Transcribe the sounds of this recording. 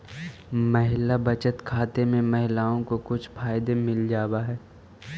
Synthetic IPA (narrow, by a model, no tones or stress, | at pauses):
mɐɦɪlabɐt͡ʃət̪kʰaːt̪emẽmɐɦɪlaːõkokʊt͡ʃʰfaːɪd̪emɪld͡ʒaːwaɦɛː